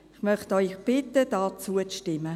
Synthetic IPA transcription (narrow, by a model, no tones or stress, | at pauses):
ɪχmœχtɔʏxb̥ɪtəd̥ɑːt͡suəʃtɪmːə